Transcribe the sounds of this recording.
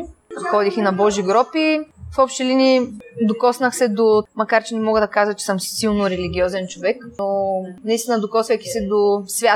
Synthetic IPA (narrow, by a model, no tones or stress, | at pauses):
xɔd̪ixinɐbɔʒiɡɾɔpifɔpʃt̪ɛlinʲid̪okɔsnɐxsɛd̪omɐkaɾt͡ʃɛnɛmɔɡəd̪ɐkazət͡ʃɛ̥sɤmsilˠnoɾɛliɡʲiɔzɛnt͡ʃovɛknonɐist̪inəd̪okɔsvʲɛt̪i̥sɛd̪osvʲja